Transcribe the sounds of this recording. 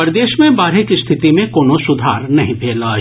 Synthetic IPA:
pɐɾd̪eːʃmẽbaːɾɦekist̪ʰɪt̪imẽkoːnosʊd̪ʱaːɾnɐɦĩpʰeːlaː

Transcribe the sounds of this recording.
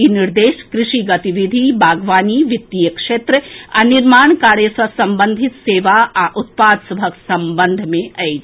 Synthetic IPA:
iniɾd̪eːʃkɾɪʃiɡɐt̪iʋid̪ʱibʱaːɡʋaːniːʋɪt̪ːijəkʃeːt̪ɾəɐniɾmaːɳkaːɾjəsɐsɐmbə̃nd̪ʱɪt̪seːʋaaʔʊt̪̚paːd̪sɐbʱəksɐmbənd̪ʱmẽɐjd͡ʒ

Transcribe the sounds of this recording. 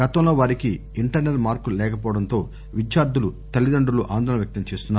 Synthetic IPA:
ɡɐt̪ɐmlo̞ːʋaːɾiki | iɳʈɐɾnelmaːɾkulɛːkɐp̬ɔːʋɐɽɐnt̪o̞ː | ʋid͡ʒjaːɾd̪ʱulut̪ɐlːid̪ɐɳɖuluʔaːnd̪ʱɐɳɐʋjɐk̚t̪ɐɲt͡ʃe̞ːst̪unːaː

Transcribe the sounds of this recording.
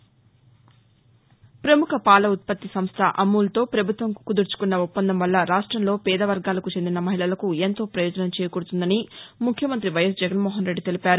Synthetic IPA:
pɾɐmukʰɐpaːlɐut̪̚pɐt̪ːisɐmst̪ʰɐʔɐmːuːlɐt̪o̞ːpɾɐbʱut̪ʋɐŋkkud̪uɾt͡ʃu̥kunːɐupːɐnd̪ɐmʋɐlːɐɾaːʂʈɾɐmlo̞ːpɛːd̪ɐʋɐɾɡaːlɐkut͡ʃe̞nd̪inɐmɐɦiɭɐlɐkuent̪o̞ːpɾɐjɔːd͡ʒɐnɐmt͡ʃɛːjɐkuɽut̪und̪ɐnimukʰjɐmɐnt̪ɾiʋɐjɐsd͡ʒɛɡɐnmɔːɦɐnɾeɖːit̪e̞lipaːɾu

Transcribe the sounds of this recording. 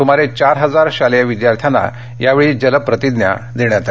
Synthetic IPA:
t̪um̤aɾet͡ɕaɾɦəd͡zaɾɕaləjaʋid̪jaɾt̪ʰjana̰ | jaʋeɭiːd͡ʑələpɾət̪id̪nja̰d̪eɳjat̪a

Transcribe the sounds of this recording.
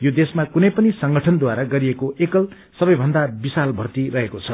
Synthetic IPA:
jod̪esmakunʌjpʌnisʌŋɡʌʈʰʌnd̪waɾaɡʌɾiekoʔekʌl | sʌbʌjbʱʌnd̪abisalbʱʌrt̪irʌɦekot͡sʰʌ

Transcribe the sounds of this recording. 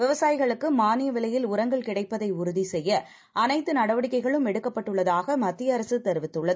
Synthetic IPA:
ʋɪʋɐsaːjɪɣɐɭɯkːɯmaːnɪjɐʋɪlɐjɪlʊɾɐŋɡɐɭkɪɽɐɪpːɐðɐɪʊɾʊðisɛjːɐ | ʔɐnɐɪt̪ːɯnɐɽɐʋɐɽɪkːɐɪɣɐɭɯmɛɽɯkːɐpːɐʈːɯɭːɐðaːɣɐmɐt̪ːɪjɐɐɾɐsɯt̪ɛɾʋɪt̪ːɯɭːɐð

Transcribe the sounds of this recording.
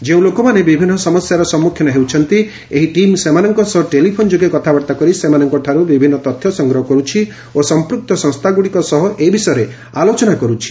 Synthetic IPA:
d͡ʒeũlokɔmanebibʱinːɔsɔmɔsjaɾɔsɔmːukʰːjɔnɔɦewt͡ʃʰɔnt̪i | eɦiʈimsemanɔŋkɔsɔɦɔʈelipʰond͡ʒoɡekɔt̪ʰabɔɾt̪akɔɾisemanɔŋkɔʈʰaɾubibʱinːɔt̪ɔt̪ʰjɔsɔŋɡɾɔɦɔkɔɾut͡ʃʰi | osɔmpɾuk̚t̪ɔsɔ̃ŋst̪ʰaɡuɽikɔsɔɦɔʔeibisɔjɔɾe | alot͡ʃɔnakɔɾut͡ʃʰi̥

